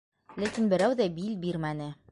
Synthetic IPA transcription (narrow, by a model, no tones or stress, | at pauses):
lækinbɘ̆ɾæwðæbilbiɾmænɘ